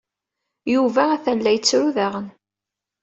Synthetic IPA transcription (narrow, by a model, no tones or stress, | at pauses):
juvææθælːæjət͡sːɾuðæʁən